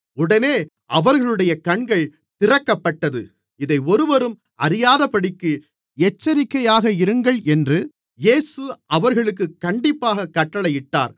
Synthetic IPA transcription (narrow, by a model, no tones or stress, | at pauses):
ʊɽɐneː | ʔɐʋɐɾɣɐɭɯɽɐjɐkɐɳɡɐɭ | t̪ɪrɐkːɐpːɐʈːɐðɯ̰ | ɪðɐɪɔɾɯʋɐɾɯm | ɐɾɪjaːðɐpɐɽɪkːɯ | ɛt͡ʃːɐɾɪkːɐjaːɣɐɪɾɯŋɡɐɭɛndrɯ | jeːsɯʔɐʋɐɾɣɐɭɯk̬ːɯkːɐɳɖɪpːaːɣɐkɐʈːɐɭɐjɪʈːa̰ːɾ